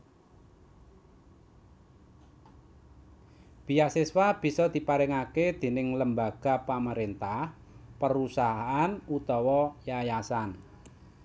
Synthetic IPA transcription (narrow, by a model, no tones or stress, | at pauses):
b̥ijaʔseswab̥i̤sɔd̪̥i̤paɾɛŋaked̪̥e̤nɪŋləmbaɡ̥a̤paməɾent̪ah | pəɾusaɦaanut̪ɔwɔjajasan